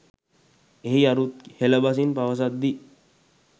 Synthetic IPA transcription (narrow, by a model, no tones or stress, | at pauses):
eɦiaɾut̪̚heləbas̬inpaʋəs̬at̪̚d̪i